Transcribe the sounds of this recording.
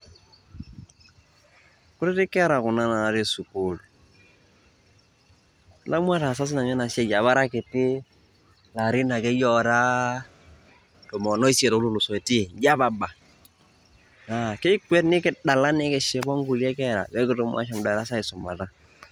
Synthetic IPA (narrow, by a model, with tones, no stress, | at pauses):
ku˦ɾɛ˦tɪ˦kɛ˦ɾa˨kʊ˨na˦na˨ɾi˦su˨ku˦˨l | la˦m˦a˦ta˨sa˦s̬ɪ˦na˨ɲɛ˦na˨sɛ˦ja˨βa˦ɾa˦kɪ˨tɪ˦ | la˨ɾɪ˦na˨kɛ˦jɔ˦ɾa˦ | tɔ˨mɔ˨nɔ˦i˦sɛ˨ɾɔ˦lu˦lu˨sɔ˨e˨ti˦˨d͡ʒa˦ba˨ba˨ | na˨kɛ˦kwɛ˦tnɪ˦kɪ˦da˨la˦nɪ˦kɛ˨ʃɛ˨bɔ˦ŋɡu˨lɛ˦kɛ˦ɾa̰˨wɛ˦kɪ˦tɔ˦m˦a̰˦ʃa˨m˨da˨ɾa˦sa˦ɪ˨sʊ˨ma˨ta˦